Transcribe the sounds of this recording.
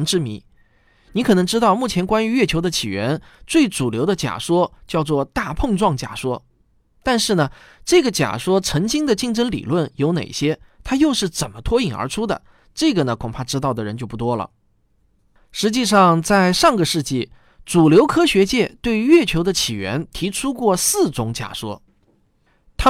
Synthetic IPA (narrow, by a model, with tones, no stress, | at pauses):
nʈ͡ʂɻ̩˥mḭ˧˥ | ni˧˥kʰɤ˨˩nɤ˧˥ŋʈ͡ʂɻ̩˥t̪ɑ˥˧ʊmu˥˩t͡ɕʰjɛ˧˥nkwa˥ny˧˥ɥɛ˥˩t͡ɕʰjo˧˥ʊd̪ə˧t͡ɕʰi˨˩ɥɛ˧˥nt͡swe˥˩ɪt͡su˨˩ljo˧˥ʊd̪ə˧t͡ɕja̰˨˩ʂwɔ˥t͡ɕjɑ˥˧ʊt͡swɔ˥˧t̪a˥˧pʰɤ˥˧ŋʈ͡ʂwɑ˥˩ŋt͡ɕja̰˨˩ʂwɔ˥ | t̪a˥˧nʂɻ̩˥˩nə˩ | ʈ͡ʂɤ˥˩ɡə˩t͡ɕja̰˨˩ʂwɔ˥ʈ͡ʂʰɤ˧˥ŋt͡ɕi˥ŋd̪ə˨t͡ɕi˥˩ŋʈ͡ʂɤ˥ŋlḭ˨˩lwə˥˩njo˧˥ʊnḛ˨˩ɪɕjɛ˥t̪ʰa˥jo˥˧ʊʂɻ̩˥˩t͡sə˨˩nmə˦t̪ʰwɔ˥i˨˩ŋə̰˞˧˥ʈ͡ʂʰu˥d̪ə̰˨ | ʈ͡ʂɤ˥˩ɡə˩nə˩kʰʊ˨˩ŋpʰa˥˧ʈ͡ʂɻ̩˥ɑ˥˩ʊd̪ə˩ɻə˧˥nt͡ɕjo˥˧ʊp̬u˥˩t̪wɔ˥lə̰˩ | ʂɻ̩˧˥t͡ɕi˥˧ʂɑ˥˧ŋt͡sa˥˧ɪʂɑ˥˩ŋɡə˩ʂɻ̩˥˧t͡ɕi˥˩ | t͡su˨˩ljo˧˥ʊkʰɤ˥ɕɥɛ˧˥t͡ɕjɛ˥˩t̪we˥˧ɪɥɛ˥˩t͡ɕʰjo˧˥ʊd̪ə˧t͡ɕʰi˨˩ɥɛ̰˧˥nt̪ʰi˧˥ʈ͡ʂʰu˥kwɔ˥˧sɹ̩˥˩t͡sʊ˧˥ŋt͡ɕja̰˨˩ʂwɔ̰˥ | t̪ʰa˥